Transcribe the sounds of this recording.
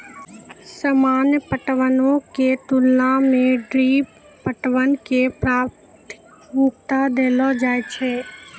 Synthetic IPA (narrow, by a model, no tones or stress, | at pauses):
səmaːnjəpəʈʋənõket̪ulːãmẽɖɾi | pəʈʋənkepɾaːp | t̪ɪ̥k | mukt̪ad̪elod͡ʒajt͡ʃʰe